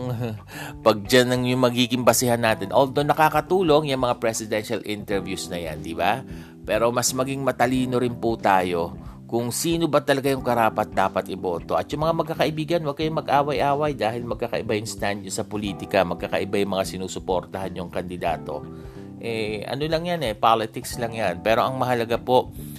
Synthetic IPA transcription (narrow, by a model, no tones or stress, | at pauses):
pɐɡ̚d͡ʒanɐŋjʊŋmɐɡiːɡɪŋbɐsɪhanːaːt̪ɪnʔold̪onɐkaːkɐt̪uːlo̞ŋjʊŋmɐŋapɾɛsɪd̪ɛnʃɐlʔɪnt̪ɛɹvjusnɐja̰nd̪ɪba | pɛːɾo̞mɐsmɐɡiŋmɐt̪ɐliːno̞ɾɪnpʊt̪aːjo̞kʊŋsiːno̞bɐt̪ɐlɐɡajʊŋkɐɾaːpɐt̪̚d̪aːpɐt̪ʔɪbo̞ːt̪o̞ʔɐt̪jʊŋmɐŋamɐɡ̚kːakɐʔɪbiːɡɐnwɐɡ̚kɐjʊŋmɐɡʔaːwɐjʔaːwɐjd̪aːhɪlmɐɡ̚kakɐ̰ʔɪbajʊŋst̪and̪̚ɲosɐpoliːt̪ɪkɐmɐɡ̚kakɐʔɪbajʊŋmɐŋasɪnuːsʊpoɾt̪ɐhanjʊŋkɐnd̪ɪd̪aːt̪o̞̰ | ʔɛʔɐ̰no̞lɐŋjanɛpaːlɪt̪ɪkslɐŋjanpɛːɾo̞ʔɐŋmɐɦɐlɐɡapo̞ʔ